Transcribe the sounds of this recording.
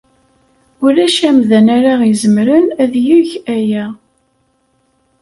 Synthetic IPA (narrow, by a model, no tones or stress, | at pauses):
ʊɾæʃæmðənæɾaizəmɾənæðjuʝæjæ